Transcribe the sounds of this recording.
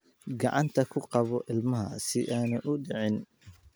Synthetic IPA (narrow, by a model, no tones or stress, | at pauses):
ɡɑʕɑnt̪ʰɐkʰʊqɑβɔʔɪlmɐɦɐ̰sɪʔaːnɐʔʊɖɪʕɪn